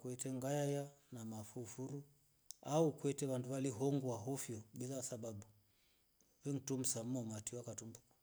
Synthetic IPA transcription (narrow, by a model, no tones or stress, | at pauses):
kwɛtɛŋɡajajanamafufuɾu | aukwɛtɛβanduβaliɦɔŋɡuwaɦɔfjɔɓilasaɓaɓu | wɛŋ̩tum̩sam̩ɔmatiwakatumbukḁ